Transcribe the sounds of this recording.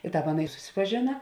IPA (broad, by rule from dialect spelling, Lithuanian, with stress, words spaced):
ɪ ˈtɑːp ˈɑːˌnɐ ɪ sʊsʲɪpɐˈʒʲeːnɐ